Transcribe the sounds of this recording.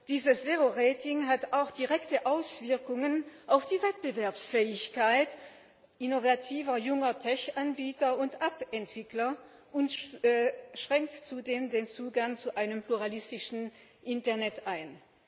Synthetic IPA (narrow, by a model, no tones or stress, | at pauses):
d̥iːzəsz̥eʁoʁeːtɪŋɦataʊxd̥iʁɛktəʔaʊsv̥ɪɐkʊŋənʔaʊfd̥iːvɛt̚b̥əvɛɐpsfɛːɪçkaɪt | ʔinovatʰiːvɐjʊŋɐtʰɛçʔanbiːtɐʊntʔapɛntv̥ɪklɐ | ʔʊntː | ʃʁ̥ɛŋktt͡sudeːmdeːnt͡suːɡaŋt͡suʔaɪnəmpluʁalɪstɪʃn̩ | ʔɪntɐɐnɛtʔaɪn